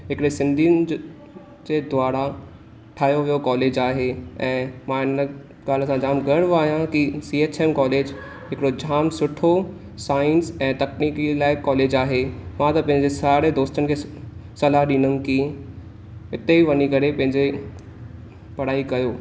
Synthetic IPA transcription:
ɦɪkɪɽesɪ̃nd̪ʱinɪ̆ | d͡ʑed̪waːɾa | ʈʰaːjoʋijokɔːleːd͡ʑaːɦeɛ̃ːmãɪnə | ɡaːləsãd͡ʑaːmɡɐɽʋaːɦijãkisiːeːt͡ɕeːmkɔːleːd͡ʑ | ɦɪkɪɽod͡ʑʱaːmsʊʈʰo | saːɪnsɛ̃ːt̪ɐkniːkilaːɪkɔːleːd͡ʑaːɦemãt̪ɐpɐ̃ɦɪ̃ɲd͡ʑesaːɽed̪oːst̪ənɪkʰesɐlaɦɗĩːnən̆ki | ɪt̪eiʋɐnikɐɾepɐ̃ɦɪ̃ɲd͡ʑe | pɐɽ̤aːikɐjoː

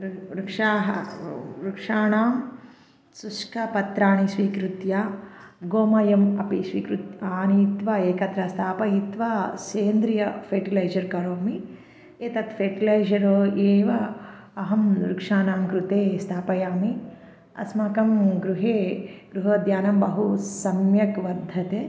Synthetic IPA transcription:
ɾukʂaːɦɐɾukʂaːnaːm | suskʰɐpɐt̪ɾaːnisʋiːkɾut̪jaːɡoːmɐjɐmɐpisʋḭːkɾut̪aːnit̪ʋɐeːkɐt̪ɾɐst̪ʰaːpɐjit̪ʋaːseːnd̪ɾijɐfeːʈilɐjd͡ʒɐɾkɐɾoːmi | eːt̪ɐt̪feːʈilɐjd͡ʒɐɾoːʔeːʋɐ | ɐɦɐmɾukʂaːnaːmkɾut̪eːst̪ʰaːpɐjaːmi | ɐ̰smɐkɐmɡɾuɦeːɡ̥ɾuɦɐːd̪jaːnɐmbɐɦusɐmjɐkʋɐɾd̪ʱɐt̪eː

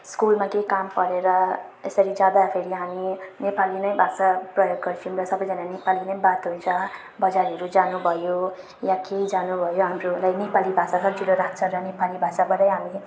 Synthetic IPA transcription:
skulmakekampʌɾeɾʌesʌɾid͡zjad̪apʰeɾiɦaminepalinʌjbʱasaprʌjoɡɡʌrt͡sʰiumrʌsʌbʌjd͡zananepalinʌjbat̪ɦunt͡sʰʌ | bʌd͡zaɾʌɾud͡zanubʱʌjo | jãked͡zanubʱʌjoɦamrolajnepalibʱasasʰʌbt͡sʰiloɾat͡sʰʌɾʌnepalibʱasabʌɾʌjɦami

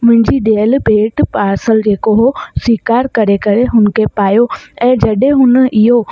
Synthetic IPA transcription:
mʊ̃ɦɪ̃ɲd͡ʑiɗeːəlbʱeːʈpaːɾsəld͡ʑeːkoɦoswiːkaːɾkɐɾekɐɾeɦʊnɪ̆kʰepaːjoɛ̃ːd͡ʑɐɗɦẽɦʊnə̆ɪɦo

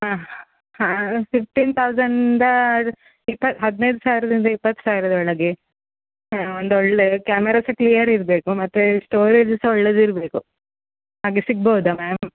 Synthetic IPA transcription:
ɦaː | hapip̚ʈint̪ʰɐwzɐɳɖ̪ɐ | ipːɐt̪ɦɐd̪nejd̪usaːʋiɾɐd̪ind̪ɐipːɐt̪ːsaːʋiɾɐd̪ɐɔɭɐɡe | ond̪ɔɭːekaːmɛɾaːsɐklijɐɾiɾbe̞ːkumɐt̪ːuʂʈoːɾeːd͡ʒɐsɐɔɭːed̪iɾbe̞ːku | haːɡesiɡ̚bɐud̪umaːm

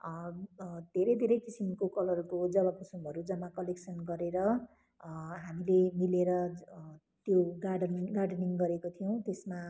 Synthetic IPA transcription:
d̪̥ʱeɾʌjd̪ʱeɾʌjkisimkokʌlʌrkod͡zʌwapusumʌɾud͡zʌmakʌleksʌnɡʌɾeɾʌ | ɦamilemileɾʌ | t̪joɡaɖʌnɡarɖʌniŋɡʌɾekot̪ʰijõt̪esma

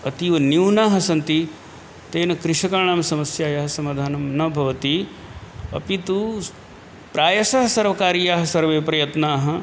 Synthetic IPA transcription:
ɐt̪iʋɐniwnaːɦɐ̆sɐnt̪i | t̪eːnɐkɾɪʂɐkɐɾɳaːmɐsɐmɐsjaːjɐɦɐsɐmaːd̪ʱaːnɐmnɐbʱɐʋɐt̪i | ɐ̰pit̪u | pɾaːjɐsɐɦɐsɐɾʋɐkaːɾijaːɦɐsɐɾʋeːpɾɐjɐt̪naːɦɐ̆

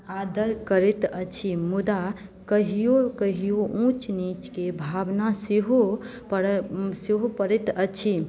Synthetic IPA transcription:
ad̪əɾkəɾet̪ət͡ʃʰimud̪a | kəɦijokəɦijoʔũt͡ʃnit͡ʃkebʱabnaseɦo | seɦopəɾet̪ət͡ʃʰi

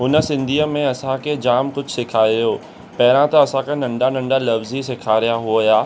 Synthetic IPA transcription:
ɦʊnə̆sɪ̃nd̪ʱiːəmẽɐsãkʰed͡ʑaːmkʊd͡ʑʱsɪkʰaːijoː | pɐɦɪɾãt̪ɐɐsãkʰanɐ̃ɳɖanɐ̃ɳɖalɐfzisɪkʰaːɾijaɦuojaː

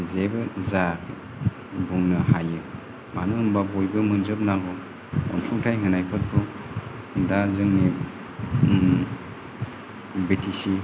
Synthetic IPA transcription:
zebɯzakʰi | buŋnɯhajɯ | manɯɯmbabojbɯmɯnzɯp̚naɡɔ | ɔ̰nsʰuŋtʰajŋɯnajpʰɯt̚bʰu | dazɯŋni | betʰisi

